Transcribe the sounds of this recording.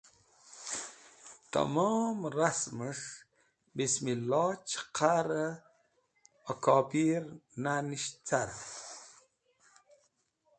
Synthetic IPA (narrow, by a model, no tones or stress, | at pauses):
t̪a̰momɾasməʂ | bismilɑːt͡ʃqʰaɾə | okɑːpiɾnaniʃt͡saɾ